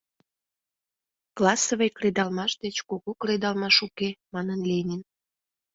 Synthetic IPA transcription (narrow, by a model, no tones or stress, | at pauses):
klɑsoβejkred̪ɑlmɑʃd̪et͡ɕkoɣokred̪ɑlˠmɑʃukemɑnənlʲenʲin